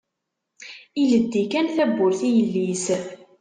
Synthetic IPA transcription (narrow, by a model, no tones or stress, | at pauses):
iləd̪ːikænθæbːʊɾθijəlːis